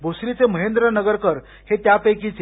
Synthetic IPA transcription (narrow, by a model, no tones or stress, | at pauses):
bosɾit͡seməɦend̪ɾənəɡəɾkəɾ | het̪japəjkit͡se